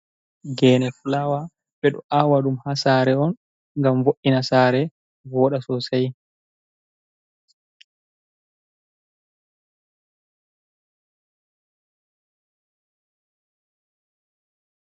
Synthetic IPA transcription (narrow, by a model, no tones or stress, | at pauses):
ɡɛːnɛfulawa | ɓɛɗɔ̰ʔawaɗumhasaːɾɛɔn | ŋɡamvoʔinasaːɾɛ | vɔːɗasɔsaj